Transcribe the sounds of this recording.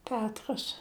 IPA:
ˈpʲæːtrɐs

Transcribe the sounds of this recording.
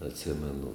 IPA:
ɐtʲˈsʲɪmʲɛnʊ

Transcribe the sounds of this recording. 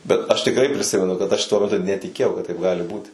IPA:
bʲɛt ɐʃ tʲɪkˈrɐɪ pʲrʲɪˈsʲɪmʲɛnʊ kɐt ɐʃ tuɔ mʲɛˈtʊ nʲɛtʲɪˈkʲeːjɛʊ kɐt tɐɪp ˈɡɑːlʲɪ ˈbuːtʲɪ

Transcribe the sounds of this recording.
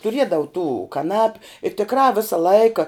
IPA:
tʊˈrʲiɛdɐʋʊ tuː kɐˈnɑːpʲʊ ɪ tʲɪkˈrɑː ˈʋʲɪsɐ ˈlˠɐɪkɐ

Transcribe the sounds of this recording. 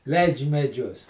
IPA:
ˈlʲɛɪt͡ʃʲ mʲɛˈd͡ʒʲʊs

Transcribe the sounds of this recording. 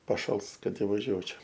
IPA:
pɐˈʃɐlˠs ˈkɐt ɪʋɐˈʒʲuɔt͡ʃʲoː

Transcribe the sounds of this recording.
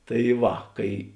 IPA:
tɐɪ ˈʋɐ ˈkɐɪ

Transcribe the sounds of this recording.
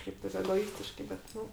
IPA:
ˈʃʲɛɪp tɐɪp ɛɡoːˈɪsʲtʲɪʃkɐɪ bʲɛt ˈnʊ

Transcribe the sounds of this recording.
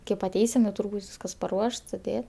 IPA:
kʲeːp ɐˈtʲɛɪsʲɪm jɛʊ ˈtuːrʲ ˈbuːtʲ ˈʋʲiːskɐs pɐˈruɔʃt sʊˈdʲeː

